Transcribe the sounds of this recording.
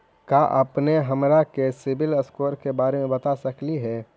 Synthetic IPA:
kaʔɐpneɦɐmɾakesɪbɪləskoːɾkebaːɾemẽbɐt̪asɐkliɦɛː

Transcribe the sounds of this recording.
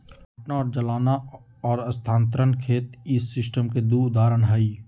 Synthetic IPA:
ɡʱʈnaɔːɾd͡ʒəlaːna | ɔːɾɐst̪ʰãːnt̪ɾənkʰeːt̪ɪsːɪsʈəmked̪uʊd̪aːɾəɳɦəiː

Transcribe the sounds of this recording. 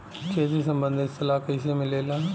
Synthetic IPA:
keːd͡ʒisə̃mbə̃nd̪ʱɪst̪əlaːkɪsemɪ̃leːlaː

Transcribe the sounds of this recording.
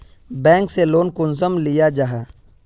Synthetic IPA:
bɛ̃ːŋkseloːnkʊns̬əmlɪjad͡ʒaɦaː

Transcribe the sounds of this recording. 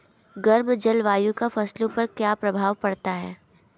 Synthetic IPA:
ɡɐɾmd͡ʒɐlʋaːjũkafɐslõpɐɾkjaːpɾɐbʱaːʋpɐɽt̪aɦɛ̰ː

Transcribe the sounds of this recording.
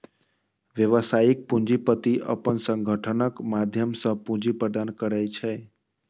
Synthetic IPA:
ʋjəʋəsaik̚pũɲd͡ʒipət̪iʔə̰pənsə̃ŋɡʱəʈʰənəkmad̪ʱjəmsə̃pũnd͡ʒipɾəd̪ankəɾɛt͡ʃʰɛ

